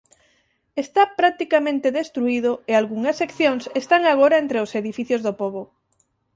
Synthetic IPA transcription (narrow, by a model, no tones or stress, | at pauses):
est̪apɾak̚t̪ikamẽnt̪eðest̪ɾuiðoealɣuŋɐsːekθjoŋsest̪aŋaɣoɾaent̪ɾeoseðifiθjozðopoβo